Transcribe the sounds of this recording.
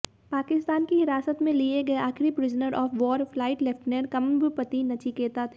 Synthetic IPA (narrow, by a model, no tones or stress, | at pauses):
paːkɪst̪aːnkiɦɪɾaːsət̪mẽlieɡɐeaːxɾipɾɪznəɾʔɔːfʋɔːɾflaːɪʈlɛfʈneɾkɐmbɪpɐt̪inɐt͡ʃikeːt̪at̪ʰe